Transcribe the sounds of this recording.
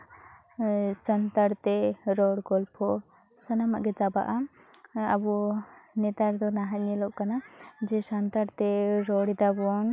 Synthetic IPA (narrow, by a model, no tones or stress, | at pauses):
sənt̪aɾt̪ɛɾɔɽɡɔlpʰɔ | sanamaʔɡɛd͡ʒaba̰ʔam | abɔ | nɛt̪aɾd̪ɔnaɦaɲɛlɔʔkanad͡ʒɛsant̪aɽt̪ɛɾɔɽid̪abɔn